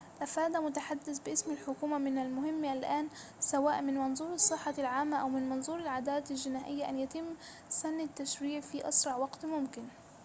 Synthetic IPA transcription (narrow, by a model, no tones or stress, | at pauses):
ʔafaːd̪amʊt̪aħad̪ːɪθbɪʔɪsmalħʊkuːmamɪnalmʊhɪmːʔalʔaːn | sawaːʔmɪnmɑnzˤuːɾɑsˤːɨħːɑlʕaːmːaʔawmɪnmɑnzˤuːɾɪlʕad̪aːlaalʒɪnaːʔɪjːaʔanjat̪ɪmː | sanːɪt̪ːaʃɾiːʕfiːʔɑ̰sɾˤɑʕwɑɡt̪mʊmkɪn